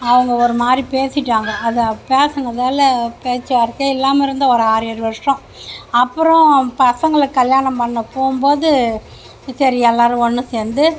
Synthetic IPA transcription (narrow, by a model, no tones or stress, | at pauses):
ɐʋɐŋɡɐɔɾɯmaːd̪ɾipeːsɪʈːaːŋɡɐɐðɐpeːsɐŋɡɐðaːlɐpeːt͡ʃːɯʋaːɾɯkːɐɪlːaːmɐɪɾɯnd̪ɐɔɾɯaːɾɯjɐɾɯʋɐʂɾɔ̃ | ɐpːɯɾɔ̃pɐsɐŋɡɐɭɯkːɐljaːnɐmpɐɳːɐpoːɯmboːðɯ | sɐɾiɛlːaːɾɯ̃ɔnːɯ̃seːnd̪ɯ